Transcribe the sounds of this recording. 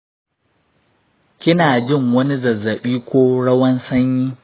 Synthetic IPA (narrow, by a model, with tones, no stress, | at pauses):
kʲɪ˦naː˨d͡ʒɪ˦˨ŋwɐ˦ni˦zɐ˨zːɐ˨ɓiː˦kʷoː˦ɽɐ˦wɐ˦nsɐ˦ɲjiː˦